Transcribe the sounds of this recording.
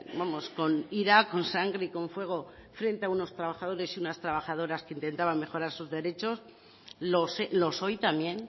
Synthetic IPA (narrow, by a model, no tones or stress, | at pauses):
bamo̞sko̞niɾako̞nsaŋɡɾeiko̞ɱfwe̞ɣ̞o̞fɾe̞nt̪e̞auno̞st̪ɾaβaxað̞o̞ɾe̞siunast̪ɾaβaxaðo̞ɾaskeint̪e̞nt̪aβanme̞xo̞ɾaɾsuzðe̞ɾe̞t͡ʃos | lo̞selo̞so̞jt̪amje̞n